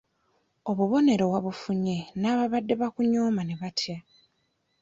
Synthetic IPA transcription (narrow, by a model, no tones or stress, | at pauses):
o̞βuβo̞ne̞ɾo̞βwaβufuɲe̞naːβaβadːe̞βakuɲo̞ːmane̞βatʰja